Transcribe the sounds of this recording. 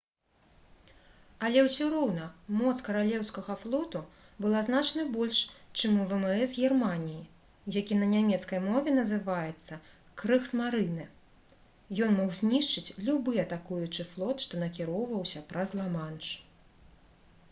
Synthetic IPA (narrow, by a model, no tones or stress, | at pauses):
ɐlʲɛwsʲuɾɔwnɐmɔt̪skɐɾalʲɛwskɐɣɐflˠɔt̪u | bɨlˠaznat͡ʂnɨbɔlʲʂt͡ʂɨmuvɛmɛzɣʲɛrmanʲiji | jakʲinɐnʲamʲɛt̪skɐjmɔvʲɛnɐzɨvajɛt̪sːɐ | kɾɨxsmaɾɨnɨ | jɔnmɔwzʲnʲiʂt͡ʂɨt͡sʲlʲubɨjɐt̪akujut͡ʂɨflˠɔt̪ʂt̪ɔnɐkʲiɾɔwvɐwsʲɐpɾɐzlˠamanʂ